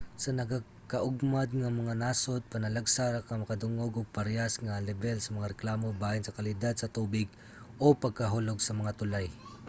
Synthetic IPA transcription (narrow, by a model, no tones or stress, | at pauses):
sɐnɐɡa | kɐʔʊɡmad̪̚ŋamɐŋanaːsod̪̚pɐnɐlaɡsaɾakamɐkɐd̪ʊŋoɡʊɡ̚pɐɾjasŋalɛbɛlsɐmɐŋaɾɛklaːmobaːjɪnsɐkalɪd̪ad̪̚sɐt̪uːbɪɡ | ʔopɐɡ̚kɐɦuloɡsɐmɐŋat̪ʊlaj